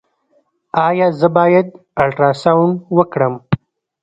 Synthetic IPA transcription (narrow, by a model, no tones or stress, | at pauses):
ɑjɑzəbɑjad̪̚ | alʈɾɑsawɳwəkɽəm